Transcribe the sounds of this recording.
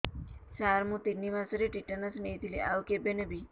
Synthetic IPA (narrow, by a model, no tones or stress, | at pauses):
saːɾmũt̪inːimãsəɾeʈiʈːənəsmet̪ʰilḭʔa̰ʋkebenebʱi